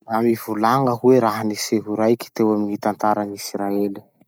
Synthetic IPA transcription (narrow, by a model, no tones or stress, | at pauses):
amivulaŋəɦueɾaɦaniseɦuɾajki̥t̪ewaminit̪ant̪aɾanisɾaeli̥